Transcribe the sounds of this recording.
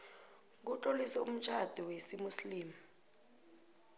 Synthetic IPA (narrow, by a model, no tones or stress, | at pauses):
k̬utʼolisɛṵm̩t͡ʃʰʼad̥ʱiwesimusliːma